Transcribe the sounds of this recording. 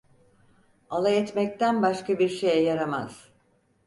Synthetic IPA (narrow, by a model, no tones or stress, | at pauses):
alˠaɛt̪mɛc̚t̪ʰænbaʃkabiɾʃe̞jɛjaɾama̰z̥